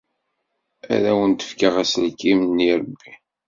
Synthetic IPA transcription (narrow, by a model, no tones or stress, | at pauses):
æ̰ðæwənt̪ə̥fkaʁæslkːimənːiɾˤəbːi